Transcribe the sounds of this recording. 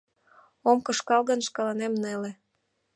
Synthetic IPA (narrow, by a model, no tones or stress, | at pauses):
omkə̆ʃkɑlɣənʃkɑlɑnemnele